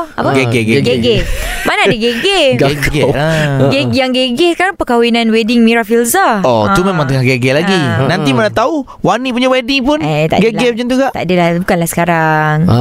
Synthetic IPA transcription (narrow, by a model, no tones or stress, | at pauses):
apaɡeɡeɡeɡeɡemanaːdəɡeɡeɡeɡeəɡejaŋɡeɡesə̥kaɾaŋpəkawinãnwedɪŋmiɾafilsaɔt̪umẽmãŋt̪əŋaɡeɡɛlaɡinãnt̪imənat̪au | wanip̬uɲawediŋpʊnt̪a̰ɡeɡepd͡ʒant̪ukaʔt̪a̰adalabukanlasə̥kaɾaŋ